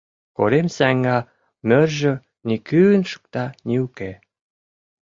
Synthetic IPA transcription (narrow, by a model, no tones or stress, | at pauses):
ko̰ɾemsæŋɡɑ | mørʒø̆ | nikynʃə̥k̚t̪ɑniuke